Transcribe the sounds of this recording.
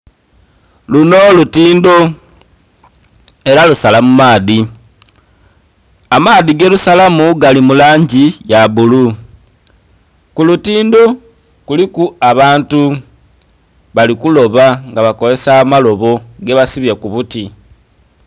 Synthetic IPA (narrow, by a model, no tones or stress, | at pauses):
luno̞lutiːndo̞ | e̞ɾalusalamumaːði | amaːðiɡe̞lusalamuɡalimulaːɲɟijaβulu | kulutiːndo̞ | kulikuaβaːntu | βalikulo̞βaŋɡaβako̞ze̞saːmalo̞βo̞ɡe̞βasiβjakuβuti